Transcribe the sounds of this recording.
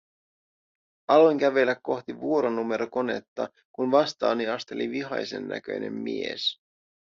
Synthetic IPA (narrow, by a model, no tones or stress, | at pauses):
ʔɑlojŋk̟æʋe̞lːækːo̞xt̪iʋuo̞ɾo̞nume̞ɾo̞ko̞ne̞̰t̪ːɑ | kunʋɑst̪ɑːniɑst̪e̞liʋiɦɑ̰jse̞̰nːæ̰k̟ø̞̰jnʔe̞̰mːḭe̞̰s